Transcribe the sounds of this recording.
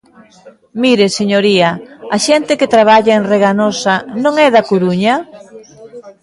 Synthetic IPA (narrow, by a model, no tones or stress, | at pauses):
miɾeseɲoɾiɐaʃɛnt̪ɪket̪ɾaβ̞aʎaenreɣanosɐnõŋɛðɐkuɾuɲɐ